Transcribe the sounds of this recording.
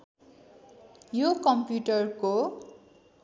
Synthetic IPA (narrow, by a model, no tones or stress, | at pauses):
jokʌmpjuʈʌrko